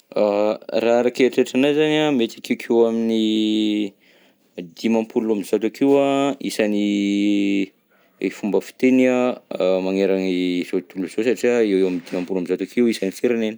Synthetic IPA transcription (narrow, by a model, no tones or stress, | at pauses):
araɾakeʈ͡ʂeʈ͡ʂanazanamet̪akekʰewamini | d̪imampulamizat̪akiwaisani | fumbəfi̥t̪enamaŋeɾanizot̪uluz̥osaʈ͡ʂiaewewamid̪imampulamizat̪akiwisanifeɾaneni̥